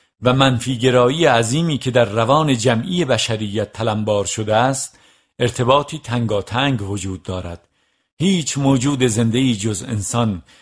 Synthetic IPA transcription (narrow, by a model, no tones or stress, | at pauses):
væmænfiːɡe̞ɾɒːijeæziːmiːkʰe̞d̪æɾːævɒːne̞d͡ʒæmʔije̞bæʃæɾijːæt̪ʰːælæmbɒːɾʃod̪eæst̪ | e̞ɾt̪ʰe̞bɒːt̪ʰiːt̪ʰæŋɡɒːt̪ʰæŋɡvod͡ʒuːd̪ːɒːɾæ̰d̪̥ | hiːt͡ʃʰmoːd͡ʒuːd̪e̞ze̞nd̪e̞iːd͡ʒozḛnsɒn